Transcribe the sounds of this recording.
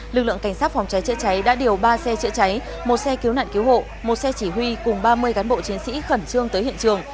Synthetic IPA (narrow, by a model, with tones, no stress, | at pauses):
lɨ˨˩k̚lɨ̰˧˨ə˨ŋka˧˩jŋsaː˦˥t̚fwŋ͡mt͡ɕa˨˦jt͡ɕə̰˧˥t͡ɕa˨˦jɗa̰ː˧˥ɗi˨˩əwɓaː˧sɛ˧t͡ɕɨ̰˧˥t͡ɕa˨˦j | mo˨˩t̚sɛ˧ki˨˦wna̰ː˧˨nki˨˦who̰˧˨ | mo˨˩t̚sɛ˧t͡ɕi˧˩hwi˧kʊ˨˩ŋ͡mɓaː˧mɨ˧əjkaː˨˦nɓo̰˧˨t͡ɕi˨˦ənsḭ˧˥xə˧˩nt͡ɕɨ˧əŋt̪əː˨˦jhḭ˧˨ənt͡ɕɨ˨˩əŋ